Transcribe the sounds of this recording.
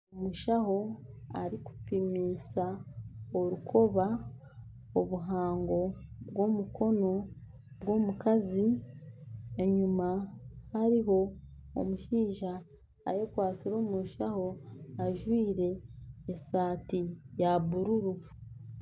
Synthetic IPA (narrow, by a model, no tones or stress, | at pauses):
omuʃaho̞a̰ɾiku̥pimiːsaoɾukʰo̞βa | oβuɦaːŋɡo̞βɡo̞mukʰo̞no̞ | bɡwo̞ːmukazi | e̞ɲumahaɾiɦo̞̰ːmuʃiːʒa̰ː | jekwaːt͡siɾo̞ːmuʃaho̞aʒwiːɾe̞ːsaːtijaβuɾuɾu